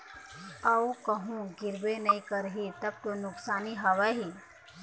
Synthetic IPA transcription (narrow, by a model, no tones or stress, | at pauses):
ɐukɐɦũɡɪɾbenɐĩkəɾɦit̪ɐb̚t̪onʊksaːniɦɐʋaɦi